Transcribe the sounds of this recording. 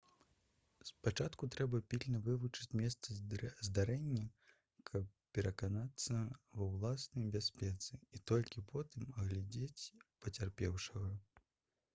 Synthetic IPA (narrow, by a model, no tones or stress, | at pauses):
spat͡ʂat̪kut̪ɾɛbɐpʲilʲnɐvɨvut͡ʂɨ̥t͡sʲmʲɛst̪sɐzd̪aɾɛnʲːɐ | kʰɐp | pʲɛɾɐkanat̪sːɐvɐwlˠasnɐjbʲasʲpʲɛt̪sɨit̪ɔlʲkʲipʰɔt̪ɨmɐɣlʲad͡zʲet͡sʲpɐt͡sʲarpʲɛwʂɐɣɐ